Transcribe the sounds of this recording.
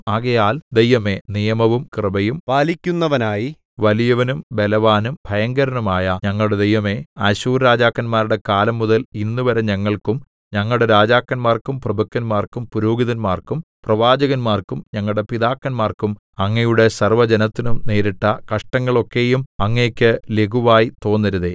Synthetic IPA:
aːɣɐjaːld̪e̞jʋɐme̞nijɐmɐʋumkrɨbɐjumpaːlikʲːunːɐʋɐnaːji | ʋɐlijɐʋɐnumbe̞lɐʋaːnumbʱɐjɐŋɡɐɾɐnumaːjɐɲɐŋːɐɭɽe̞d̪e̞jʋɐme̞ɐɕuːɾɾaːd͡ʑaːkːɐnmaːɾuɽe̞kaːlɐmːuðɐlinːuʋɐɾɐɲɐŋːɐɭkum | ɲɐŋːɐɭuɽeɾaːd͡ʑaːkːɐnmaːrkumprɐbɐkːɐnmaːrkumpuɾoːɡiðɐnmaːrkumprɐʋaːd͡ʑɐɣɐnmaːrkumɲɐŋːɐɭɽe̞piðaːkːɐnmaːrkum | ɐŋːɐjuɽe̞sɐrʋɐd͡ʑenɐt̪ːinumne̞ːɾiʈːɐkɐʂʈɐŋːɐɭo̞kːe̞jumɐŋːeːkʲːɨleɡuʋaːjit̪o̞ːnːɐɾuðe

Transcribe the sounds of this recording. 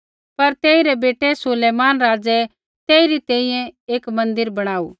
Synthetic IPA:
pɐɾt̪eːɪɾɛbeːʈɛsʊleːmaːnɾaːd͡zɛ | t̪eːɪɾit̪ɛ̃ːĩjɛ̃eːkmɐ̃nd̪ɪɾbɐɽ̃aːṵː

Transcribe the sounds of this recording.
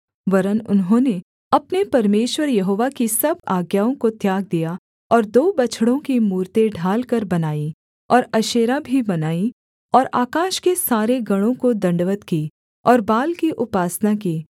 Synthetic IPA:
ʋɐɾənʊ̰nɦõːne | ɐpnepɐɾmeːʃwəɾjɐɦoːʋakisɐbaːɡjaːõkot̪jaːɡ̚d̪ija | ɔːɾd̪oːbɐt͡ʃʰɽõkimuːɾt̪eɖʱaːlkɐɾbɐnaːi | ɔːɾɐʃeːɾabʱibɐnaːi | ɔːɾa̰ːkaːʃkesaːɾeɡɐɽ̃õkod̪ɐ̃ɳɖʋət̪kiː | ɔːɾbaːlkiʔʊpaːsnakiː

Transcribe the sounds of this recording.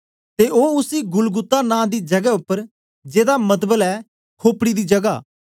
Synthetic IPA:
t̪eːʔoːʊsiːɡʊlɡʊt̪ːanãːd̪iːd͡ʒɐɡɛʊpːəɾ | d͡ʒeːd̪amət̪̬bəlɛː | kʰoːpɽid̪iːd͡ʒɐɡaː

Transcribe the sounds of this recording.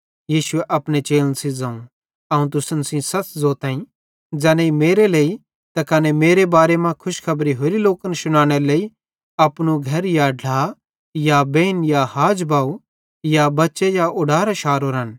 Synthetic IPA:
jiːʃʊeʔɐpɽ̃et͡ʃeːlənsid͡zãːũ | ɐũt̪̬ʊsənsĩsɐt͡szoːt̪ãːĩ | d͡zɛːneimeːɾeleːi | t̪ɐkɐnemeːɾebaːɾemãkʰʊʃkʰɐbɾiɦoːɾiloːkənsʊñãːɽ̃eɾleːi | ɐpɽ̃uɡʱɐɾjaɖʱlaː | jabeːnjahaːd͡ʒbaːu | jabɐtːʃejaʊɖaːɾaʃaːɾoɾən

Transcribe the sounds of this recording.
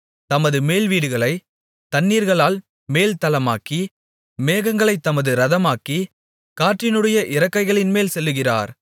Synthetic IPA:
t̪ɐmɐðɯmeːlʋiːɽɯɣɐɭɐɪ | t̪ɐnːiːɾɣɐɭaːl | meːlt̪ɐlɐmaːki | meːɣɐŋɡɐɭɐɪt̪ːɐmɐðɯɾɐðɐmaːki | kaːʈrɪnɯɽɐjɐʔɪɾɐkːɐɪɣɐɭɪnmeːlsɛlːɯɣɪra̰ːɾ

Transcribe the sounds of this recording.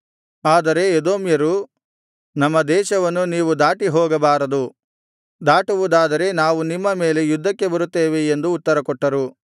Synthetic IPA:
aːd̪ɐɾe̞ːd̪oːmjɐɾu | nɐmːɐd̪ɛːʃɐʋɐnːuniːʋud̪aːʈiɦɔːɡɐbaːɾɐd̪u | d̪aːʈuʋud̪aːd̪ɐɾe̞naːʋunimːɐme̞ːle̞jud̪ʱːɐkːe̞bɐɾut̪ːeːʋeːnd̪uːt̪ːɐɾɐkɔʈːɐɾu

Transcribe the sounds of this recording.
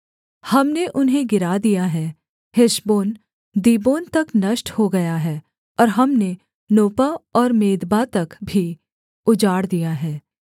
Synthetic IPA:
hɐmneʔʊnɦẽɡɪɾaːd̪ijaɦɛː | hɪʃboːn | d̪iːboːnt̪ɐknɐʃʈhoɡɐjaɦɛː | ɔːɾɦɐmne | noːpaɔːɾmeːd̪bat̪ɐkbʱi | ʊd͡ʒaːɽd̪ijaɦɛː

